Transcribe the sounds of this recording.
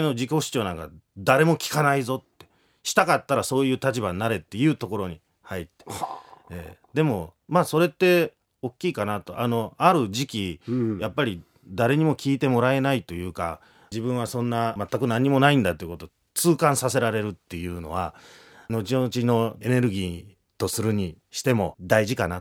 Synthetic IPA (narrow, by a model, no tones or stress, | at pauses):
no̞d͡ʑiko̞ɕi̥t͡ɕo̞ːnãŋka̰d̪aɾe̞mo̞kʲi̥kanaizo̞t̪ːe̞̥ | ɕi̥t̪akat̪ːaɾaso̞ːjɯ̟ːt̪at͡ɕibaɲnaɾe̞t̪ːe̞jɯ̟ːt̪o̞ko̞ɾo̞ɲ̟i | hait̪ːeḛːd̪e̞mo̞maːso̞ɾe̞t̪ːe̞ | o̞kʲːiːkanat̪oʔano̞aɾɯ̟ʑikʲijapːaɾʲi | d̪aɾe̞ɲ̟imo̞kʲiːt̪e̞mo̞ɾae̞nait̪o̞jɯ̟ːka̰ | d͡ʑibɯ̟̃ɰ̃asõ̞nːamat̪ːakɯ̟nãɲ̟ːimo̞naĩnd̪at̪ːeiɯkot̪o | t͡sɨːkãɰ̃sase̞ɾaɾe̞ɾɯ̟t̪ːe̞jɯ̟ːno̞̰βa | no̞t͡ɕinot͡ɕino̞e̞ne̞ɾɯ̟ɡʲiː | t̪o̞sɨɾɯ̟ɲ̟i | ɕi̥t̪e̞mo̞d̪aiʑikana